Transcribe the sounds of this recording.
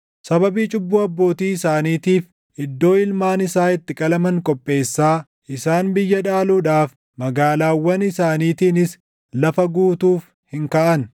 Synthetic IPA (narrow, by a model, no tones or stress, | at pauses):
sɐbɐbiːt͡ʃʼʊbːuːɐbːo̞ːt̪iːɪsaːniːt̪iːf | ʔɪd̪ːo̞ːɪlmaːnɪsaːɪt̪ːɪkʼɐlɐmɐŋkʼɔpʼːe̞ːsːaː | ʔɪsaːnbɪjːɐᶑaːluːᶑaːf | mɐɡaːlaːwːɐnɪsaːniːt̪iːnɪs | lɐfɐɡuːt̪uːf | hɪŋkaːʔɐn